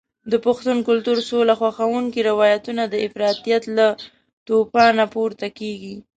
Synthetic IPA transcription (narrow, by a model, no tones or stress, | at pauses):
d̪əpʊxt̪unkʊlt̪uɾsolaxwaxawuŋkiɾɪwɑjat̪unad̪əɪfɾɑt̪ijat̪la | t̪opɑnapoɾt̪akeɡi